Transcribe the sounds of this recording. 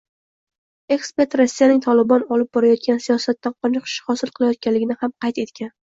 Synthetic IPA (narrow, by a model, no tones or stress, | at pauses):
e̞kspe̞ɾt̪ɾasːijanɪŋt̪ʰɒlɪbɒnɒlɪp̚bɒɾajɒt̪̚kʲansijɒsat̪ːaqʰɒnɨqʃhɒsɪlˠqʰɨlˠajɒt̪̚kʲanlɪɡʲɪnɪhamqʰɑjt̪e̞t̪kʲan